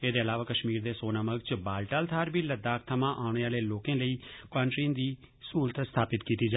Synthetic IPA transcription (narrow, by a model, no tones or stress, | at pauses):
eːd̪eːəlaːʋaːkəʃmiːɾd̪eːsoːnaːməɡt͡ʃbaːlʈaːlt̪ʰaːɾbiːləd̪aːk̚t̪ʰəmãːʔaːʊɳ̃eːaːleːloːkẽːləiːkãːɳʈɾiːnd̪iː | suːɾət̪st̪ʰaːpɪt̪kiːt̪iːd͡ʒa